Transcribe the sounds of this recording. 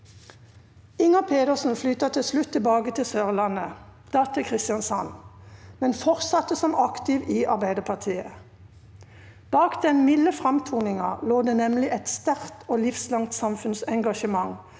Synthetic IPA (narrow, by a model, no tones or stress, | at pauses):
ɪŋɑpʰeːd̪əʁsn̩flyːt̪ɑt̪ʰɪslʉt̪ʰːɪlbɑːɡət̪ʰɪsøːʁlɑnəd̪̥ɑːt̪ʰəkʰʁɪst̪jɑnsɑnmɛnfɔʁsɑt̪ːəsɔmɑkt̪ɪʋiːʔɑʁbæɪd̪əpʰɑʁt̪ʰiːə | b̥ɑːkd̪ɛnmɪlːəfʁɑmt̪ʰuːnɪŋɑloːd̪eːnɛmlɪʔɛt̪st̪æʁt̪ʰoːlɪfslɑŋt̪sɑmfʉnsɛŋɡɑʃəmɑŋ